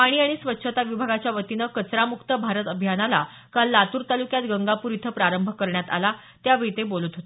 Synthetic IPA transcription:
paɽ̃iːaɽ̃isʋətːɕʰət̪aʋibʱaɡat͡ɕjaʋət̪inəkət͡sɾamukt̪əbʱaɾət̪əbʱjanala | kalːat̪uːɾt̪alukjat̪ɡəŋɡapuɾit̪ʰəpɾaɾəmbʱəkəɾɳjat̪a̰la | t̪jaʋeit̪ebolut̪ɦot̪e

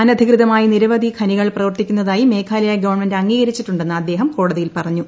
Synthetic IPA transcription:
aːnɐd̪ʱikrɨðɐmaːjiniɾɐʋɐd̪ʱikʰɐniɣɐɭprɐʋɐrt̪ikʲːunːɐðaːjime̞ːkʰaːlɐjaɡɐʋɐrɳme̞ndɐŋːiːɣɐɾit͡ɕːiʈːuɳɖe̞nːɨɐd̪ːe̞ːɦɐmko̞ːɽɐðijilpɐrɐɲːu

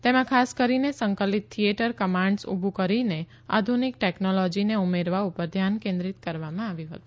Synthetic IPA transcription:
t̪emãkʰaskəɾinesə̃ŋkəlit̪ʰːijeʈəɾkəmãɳɖsṵbʱukəɾine | a̰d̪ʱunik̚ʈeknolɔd͡ʒineumeɾʋaupəɾd̪ʱjankẽnd̪ɾit̪kəɾʋamãaʋjũɦət̪ũ

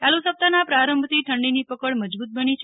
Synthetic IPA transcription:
t͡ʃalusəp̚t̪anapɾaɾəmbʱt̪iʈʰəɳɖinipəkəɭməd͡ʒbut̪̚bənit͡ʃʰ

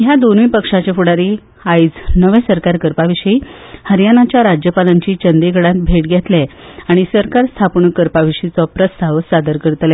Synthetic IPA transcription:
ɦjad̪onʋiːpəkʂat͡ɕefuɽaɾi | ait͡snəʋẽsəɾkaɾkəɾpaʋiʂəihəɾjanat͡ɕjaɾad͡ʑjəpalaɲt͡ɕiːt͡ɕənd̪eɡʱəɽat̪̚bʱeʈɡʱɛt̪lɛaɽ̃isəɾkaɾst̪ʰapɳukəɾpaʋiʂit͡sɔpɾəst̪ʰaʋsad̪əɾkəɾt̪lɛ

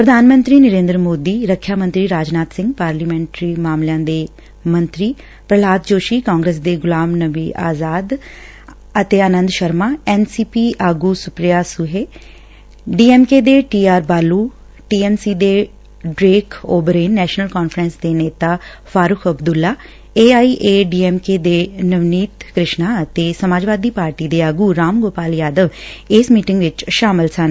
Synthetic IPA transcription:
pɾəd̪ʱaːnmə̃nt̪ɾiːnəɾẽːnd̪ɾmoːd̪iːɾəkʰːjaːmə̃nt̪ɾiːɾaːd͡ʒnaːt̪sɪ̃ŋɡpaːɾliːmɛ̃ːɳʈɾiːmaːmljãːd̪eː | mə̃nt̪ɾiː | pɾəlaːd̪̚d͡ʒoːʃiːkaːŋɡɾeːsd̪eːɡʊlaːmnəbiːʔa̰ːzaːd̪ | ət̪eːənə̃nd̪ʃəɾmaːɛːnsiːpiːʔaːɡuːsʊpɾijaːsʊɦeː | ɖiːɛːmkeːd̪eːʈiːaːɾbaːluː | ʈiːɛːnsiːd̪eː | ɖɾeːkʰoːbəɾeːnːɛːʃnəlkɔːnfʰɾənsd̪eːneːt̪aː | fʰaːɾʊkʰəbd̪ʊlːaː | eːaːiːʔeːɖiːɛːmkeːd̪eːnəʋniːt̪kɾɪʃnaːət̪eːsəmaːd͡ʒʋaːd̪iːpaːɾʈiːd̪eːaːɡuːɾaːmɡoːpaːlijaːd̪əʋɪsmiːʈɪŋɡʋɪt͡ʃʃaːmɪlsan

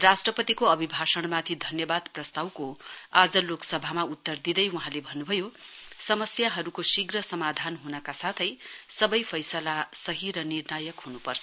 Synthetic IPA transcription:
rasʈrʌpʌt̪ikoʌbʱibʱasʌɽ̃mat̪ʰid̪ʱʌnjʌbad̪prʌst̪awkoad͡zʌloksʌbʱamaut̪ːʌrd̪id̪ʌjwuɦãlebʱʌnːubʱʌjosʌmʌsjaɦʌɾukosiɡrʌsʌmad̪ʱanɦunʌkasat̪ʰʌjsʌbʌjpʰʌjsʌlasʌɦiɾʌnirnajʌkɦunupʌrt͡sʰʌ

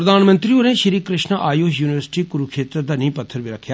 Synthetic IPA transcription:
ɾəd̪aːnmə̃nt̪ɾiõnẽːʃəɾiːkɾɪʃnəʔaːjoːɦjuːnɪʋəɾsʈiːkʊɾukʰʃeːt̪ɾəd̪aːnĩːpət̪ʰːəɾʋiɾəkʰːjaː

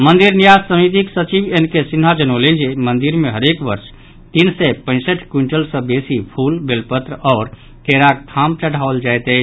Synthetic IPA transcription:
mənd̪iɾnijad͡ʒsəmit̪̬iksət͡ʃibenkesinɦad͡ʒənoled͡ʒemənd̪iɾmeɦəɾekbəɾs | t̪insɛpə̃ɪ̃səʈʰkwiɳʈəlsə̃besipʰulbelpət̪ɾəɔːɾ | keɾakt̪ʰamt͡ʃəɽʱaold͡ʒajt̪ɛ

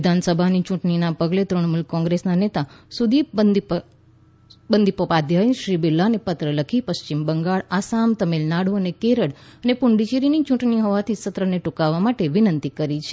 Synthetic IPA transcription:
d̪ʱansəbʱanit͡ʃʊ̃ʈɳinapəɡlet̪ɾəɳmulkːɔ̃ŋɡɾesnanet̪asud̪ʱi | bənd̪ʱipopad̪ʱjənʃɾibilːanepət̪ɾələkʰipəst͡ʃimbəŋɡaɭasamt̪əmelnaɽ̤oənekeɾəɽənepʊɳɖit͡ʃeɾinit͡ʃʊ̃ʈniɦoʋat̪ʰisət̪ɾəneʈukaʋːamaʈeʋɪnənt̪ikəɾit͡ʃʰe

